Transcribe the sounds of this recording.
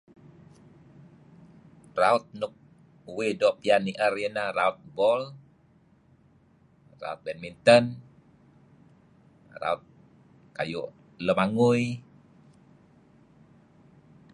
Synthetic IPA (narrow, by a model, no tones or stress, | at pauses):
raʊt̪̚nʊk̚ | uwedɔʔpianiʔərjənaraʊt̪̚bɔl | ra̰ʊt̪̚bɛnmint̪ən | ra̰ʊt̪̚ | ka̰jʊ̰ʔ | ləmaŋʊj